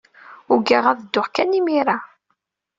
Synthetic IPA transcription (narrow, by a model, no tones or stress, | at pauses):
ʊɡaʁaðəd̪ːʊχkænimiɾa